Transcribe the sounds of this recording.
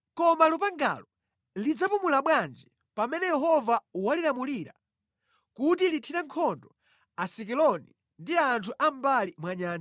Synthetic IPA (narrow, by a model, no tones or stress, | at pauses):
kɔmalupaŋɡa̰lɔ | lid͡zapumulaɓwand͡ʒi | pamɛnɛjɛɦɔvawalilamuliɾa | kutilitʰiɾaŋkʰɔndɔ | asikilɔni | ndiaːntʰuʔam̩balimwaɲaːn